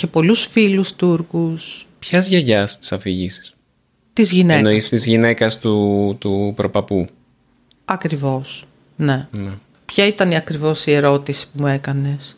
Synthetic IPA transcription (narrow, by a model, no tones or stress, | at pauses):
epo̞lusfilust̪uɾkuspçɐzʝɐʝɐst̪i̥sɐfiʝisi̥s | t̪izʝinenoist̪izʝine̞kɐst̪ut̪upɾo̞pɐpu | ɐkɾivo̞s | ne̞ne | pçɐit̪ɐniɐkɾivo̞sie̞ɾo̞t̪isi̥pumue̞kɐne̞s